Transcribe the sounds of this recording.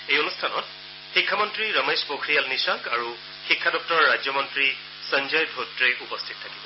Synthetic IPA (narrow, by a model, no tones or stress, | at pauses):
ejonustʰanɔ̰t | xikʰːamɔntɹiɹʌmespokʰɹijalnisakaɹu | xikʰːadɔk̚tɔɹɔɹːad͡ʒɔmɔntɹi | sənd͡ʒɔjdʱotɹeʔupɔstʰit̚tʰːakibɔ